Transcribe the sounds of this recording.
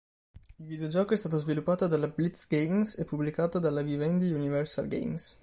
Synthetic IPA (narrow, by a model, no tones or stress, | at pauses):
ilvid̪eod͡ʒɔːkoɛst̪aːt̪ozvilupːaːt̪od̪alablit̪sɡejmsɛpːublikaːt̪od̪alːavivɛnd̪iunivɛrsa̰lɡḛjms